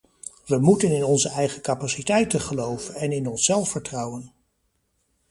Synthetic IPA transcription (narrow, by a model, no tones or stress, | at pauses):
ʋəmutənɪnɔnzəɛjχəkapasitɛjtəχəlowvənɛnɪnɔnsɛlˠfəɹtrɑwən